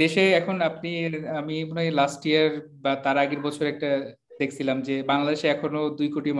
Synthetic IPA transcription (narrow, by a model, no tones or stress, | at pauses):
d̪eʃeɛkʰonapniamimonejlasʈiaɾ | bat̪aɾaɡeɾbɔt͡ɕʰoɾɛk̚ʈa | d̪ekʰt͡ɕʰilamd͡ʑebaŋlad̪eʃeɛkʰonod̪ujkoʈim